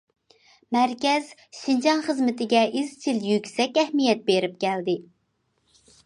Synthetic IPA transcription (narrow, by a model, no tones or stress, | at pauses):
mæɾkʲɛz̥ʃind͡ʒɑŋχəzmɪt̪ʰɪɡʲɛʔizt͡ʃʰiljykʲsɛkʲɛhmijɛt̪̚beɾɪp̚kʲʰɛld̪ɪ